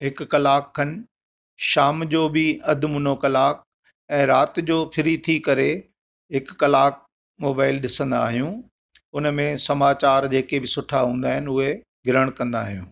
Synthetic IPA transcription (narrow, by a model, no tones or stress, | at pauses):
ɦɪkːɐlaːkʰːɐnɪ̆ | ʃaːmd͡ʑoːbɪɐd̪ʱmʊn̤okɐlaːk̚ | ɛ̃ːɾaːt̪d͡ʑoːpʰɪɾit̪ʰikɐɾe | ɦɪkːɐlaːk̚ | moːbaːɪlɗɪsə̃nd̪a̰ːɦijũ | ʊnmẽsɐmaːt͡ɕaːɾd͡ʑeːkebɪsʊʈʰaɦũːn̆d̪aːɦɪnʊɦe | ɡʱɪɾəɽ̃kɐ̃nd̪a̰ːɦijũː